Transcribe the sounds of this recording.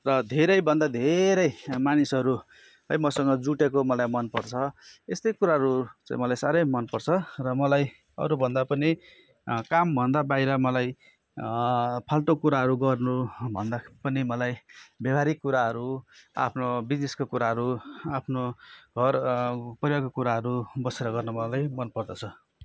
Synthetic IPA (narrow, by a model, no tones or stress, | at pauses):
rʌd̪ʱeɾʌjbʱʌnd̪ad̪ʱeɾʌjmanisʌɾu | ʌjmʌsʌŋɡʌd͡zuʈekomʌlajmʌnpʌrt͡sʰʌest̪ʌjkuɾaɦʌɾut͡sã̰ĩmʌlajsaɾʌjmʌnpʌrt͡sʰʌrʌmʌlaj | ʌ̰ɾubʱʌnd̪apʌni | kambʱʌnd̪abajɾʌmʌlaj | pʰalʈokuɾaɦʌɾuɡʌrnubʱʌnd̪apʌnimʌlajbjʌbʱaɾikːuɾaɦʌɾua̰pʰnobid͡zneskokuɾaɦʌɾuapʰnoɡʱʌrpʌjoɡkːokuɾaɦʌɾubʌseɾʌɡʌrnʌmʌlajmʌnpʌrd̪ʌt͡sʰʌ